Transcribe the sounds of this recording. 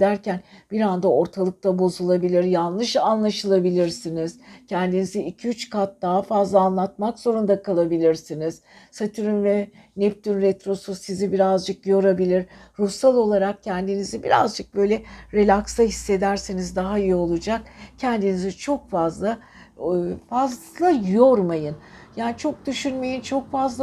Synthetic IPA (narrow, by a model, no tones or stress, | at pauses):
d̪æɾcænbiɾand̪ao̞ɾt̪ʰalˠɯk̚t̪ʰabo̞zulˠabilʲiɾjalˠnˠɯʃanlˠaʃɯlˠabilʲiɾsiniz̥cʰɛnd̪iniziicʰiyt͡ʃkʰat̪̚d̪aɦafazlˠaːnlˠat̪̚makz̥o̞ɾund̪akʰalˠabilʲiɾsiniz̥ | sat̪ʰɯɾynvɛ | nɛp̚t̪ynɾɛt̪ɾo̞susizibiɾazd͡ʒɯkjo̞ɾabilʲiɾ | ɾusalˠo̞lˠaɾak̚cʰɛnd̪inizibḭɾa̰zd͡ʒɯk̚bø̞jlʲɛɾe̞lʲakst̪aɦisːe̞d̪æɾsinizd̪aɦaijio̞lˠud͡ʒakcʰɛnd̪inizit͡ʃʰo̞kfazlˠa | fazlˠajoɾmajɯnjaːnit͡ʃʰo̞k̚d̪̥yʃynme̞jint͡ʃʰo̞kfazlˠ